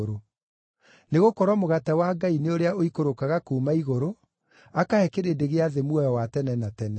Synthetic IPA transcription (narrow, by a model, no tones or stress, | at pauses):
ɾo | neɣokɔɾwɔmoɣatɛwaɡaineoɾeaoikoɾokaɣakuːmaiɣoɾo | akahɛkeɾeːdeɣeaðemwɔjɔwatɛnɛnatɛnɛ